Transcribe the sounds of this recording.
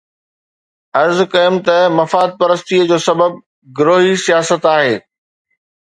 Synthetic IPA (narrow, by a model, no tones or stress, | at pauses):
ɐɾzkɐɪmt̪ɐmɐfaːd̪̚pɐɾəst̪iəd͡ʑoːsɐbəb̚ | ɡʊɾoːɦisijaːsət̪aːɦeː